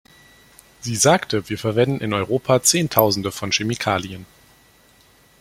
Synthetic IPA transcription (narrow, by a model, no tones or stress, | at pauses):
z̥iːzaːktʰəviːɐfɛɐvɛndn̩ʔɪnɔʏʁ̞oːpʰat͡seːntʰaʊzn̩dəfɔnʃemikʰaːliən